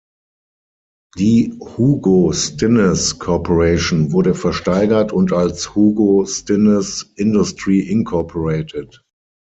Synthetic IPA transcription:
d̥iːhuːɡostɪnəskʰɔpoʁeɪʃonvʊɐɾəfɛɐʃtaɪɡɐtʰʊntalshuːɡostɪnəsʔɪndʊstʁiːʔɪnkʰɔɐpʰoʁeɪtʰət

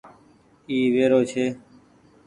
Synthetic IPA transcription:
iːʋeːɾoːt͡ʃʰeː

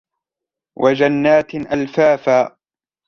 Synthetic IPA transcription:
wʔad͡ʒanːaːt̪ʔalfaːfaː

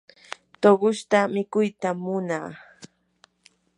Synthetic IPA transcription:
t̪oɢʊʃt̪amɪkʊjt̪amʊnaː

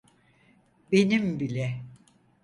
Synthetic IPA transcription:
benimbilʲɛ

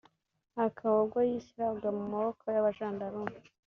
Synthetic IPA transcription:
akʰaβaɾɡwajisiɾabɡamumaβokʰojaβaʒaːndaɾumu

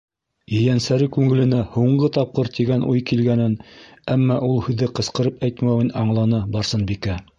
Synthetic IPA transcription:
jɘ̆jænsæɾɘkʉŋɘ̆lɘ̆næhuɴɢɤt̪ɑp̚qɤɾt̪iɡænʔujkilɡænɘnæmːɑʔulˠhʉðɘqɤ̆sqɤ̆ɾɤpæjt̪mæwɘnɑɴlˠɑnɤbɑɾsɤnbikæ

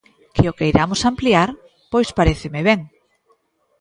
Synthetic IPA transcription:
kɪokejɾamosampliaɾ | pojspaɾeθɪmeβ̞eŋ

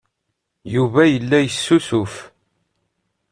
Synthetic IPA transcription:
juvæjəlːæjəsːusʊf

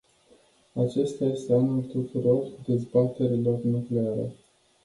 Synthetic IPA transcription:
at͡ʃe̞st̪aje̞st̪e̞anult̪ut̪uɾo̞rd̪e̞zbat̪e̞ɾilo̞rnukle̞aɾḛ

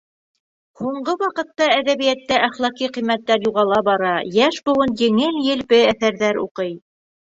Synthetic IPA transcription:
huɴɢɤwɑqɤ̆t̪ːɑæðæβijæt̪ːæʔæχlˠɑqiqijmːæt̪ːæɾjuʁɑlˠɑbɑɾɑjæʃbŏwɤnjɘ̆ŋɘljɘ̆lpɘæθæɾðæɾṵqɤj

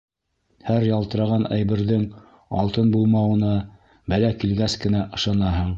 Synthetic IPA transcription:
hæɾjɑlˠt̪ɤ̆ɾɑʁɑnæ̰jbɘ̆ɾðɘŋ | ɑ̰lˠt̪ɤnbulˠmɑwɤ̆nɤ | bælækilɡæskɘ̆næʔɤ̆ʃɑnɑɦɤɴ

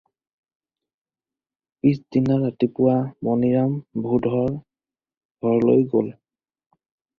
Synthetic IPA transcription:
pisdinaɹatipʊwamɔniɹambʱudʱɔɹ | ɡʱɔɹlojɡo̰l

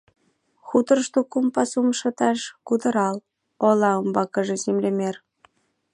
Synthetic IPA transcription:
xut̪ə̆rʃt̪okumpɑsumʃɤ̆t̪ɑʃkud̪ə̆ɾɑl | olɑombɑkə̆ʒĕzemlemʲer

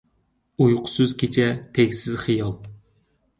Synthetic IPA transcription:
ujqʰʊ̥syzkʲʰet͡ʃʰɛt̪ʰeɡʲsɪzχijɑlˠ

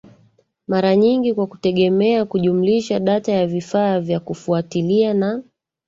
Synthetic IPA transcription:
maɾaɲiŋɡikwakutɛɠɛmɛakuʄumuliʃaɗatajavifaːvjakufuatiliana

